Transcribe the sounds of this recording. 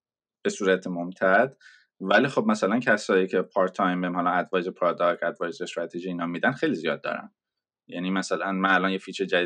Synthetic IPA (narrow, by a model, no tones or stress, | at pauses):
b̥e̞suːɾæt̪ʰemomt̪ʰæd̪̥ | væliːxo̞b̚mæsælæncʰæsɒːiːcʰepʰɒɾt̪ʰːɒjmbeimhɒlɒæd̪vɒːjzepʰɾɒd̪ɒkʰæd̪vɒːjezest̪ɾat̪ʰeʒiiːnɒːmiːd̪ænxe̞jlizijɒ̰ːd̪̚ːɒ̰ːɾæ̰n | jænimæsælænmænælɒnjefiːt͡ʃʰed͡ʒæi